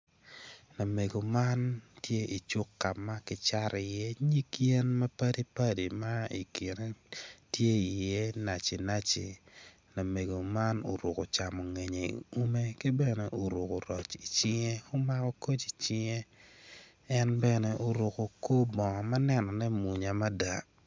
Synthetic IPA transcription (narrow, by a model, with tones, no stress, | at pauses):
na˨me˨ɡo˨ma˦ntje˦i˨t͡ʃu˦kːa˨mːa˦kɪ˦t͡ʃa˦ɾi˨je˦ɲi˦kje˦nma˦pa˦di˦pa˦di˨ma˦ḭ˨kɪ˨ne˦tje˦i˨je˦na˨t͡ʃi˨na˦t͡ʃḛ˨ | na˨me˨ɡo˨ma˦no̰˨ɾʊ˨ko˨t͡ʃa˨mɔ˨ŋe˨ɲe˨ḭu˦me˦kɪ˦bɛ˦nɛ˦ʔo˨ɾo˨ko˨ɾɔ˨t͡ʃi˨t͡ʃɪ˦ŋe˦o˦ma˦kɔ˦ko˦t͡ʃi˨t͡ʃɪ˦ŋe˦ | ɛ˦nbɛ˦nɛ˨ʔo˨ɾʊ˨ko˨ko˦bɔ˨ŋ˨ma˦nɛ˦nɔ˨nɛ˦mu˨ɲa˨ma˦da˨